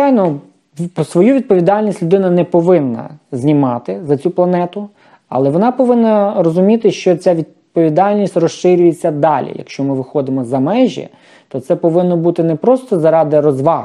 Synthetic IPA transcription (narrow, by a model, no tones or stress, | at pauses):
t͡ʃɑjnɔ | sʋɔjuʋʲid̪̚pɔʋʲid̪ɑlʲnʲisʲtʲlʲʊd̪ɪnɐnɛpɔʋɪnːɐ̰zʲnʲimɑt̪ɪzɐt͡sʲuplˠɐnɛt̪ʊ | ɐ̰lˠɛʋɔnɑpɔʋɪnːɐrɔzʊmʲit̪ɪʃt͡ʃɔt͡sʲaʋʲid̪̚pɔʋʲid̪ɑlʲnʲisʲtʲrɔʃʃɪɾʲʊjet͡sʲːɐd̪ɑlʲḭjɐ̰kʃt͡ʃɔmɪʋɪxɔd̪ɪmɔzɐmɛʒɛ̰ | t̪ɔt̪sɛpɔʋɪnːɔbut̪ɪnɛpɾɔst̪ɔzɐɾɑd̪ɪɾɔzʋɑ